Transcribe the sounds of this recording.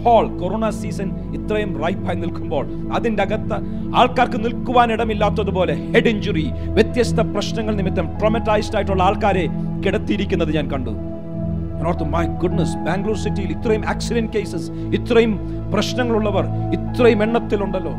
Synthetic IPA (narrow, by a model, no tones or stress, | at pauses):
pʰoːɭkoɾoːɳɐsiːsɐn | it̪rɐjumrɐjpɐːjnilkumbo̞ːɭ | ɐðindeɐɡɐt̪ːɐ | aːɭkaːrkɨnilkuʋaːniɽɐmilːaːt̪ːɐðupo̞ːleheɖiɲd͡ʑuri | ʋjet̪jɐst̪ʰɐprɐɕnɐŋːɐɭnimit̪ːɐmʈromɐtːaːjstaːjiʈːuɭːɐaːɭkaːɾe | kiɽɐt̪ːijiɾikʲːunːɐðɨɲaːnkɐɳɖṵ | pɾoːt̪ːummɐjɡuɖnɐsbaːŋɡluːrsitːijilit̪ːrɐjuma̰ːksiɾent̚kejsɐs | it̪ːrɐjum | prɐɕnɐŋːɐɭuɭːɐʋɐr | it̪rɐjume̞ɳːɐt̪ːiluɳɖɐlːo̞ː